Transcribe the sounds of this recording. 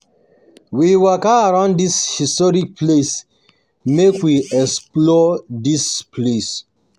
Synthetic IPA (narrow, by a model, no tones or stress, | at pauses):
wiwɔkaːɹãʊ̃ndishistɔɹik̚ples | mekwiɛsplɔdispʰles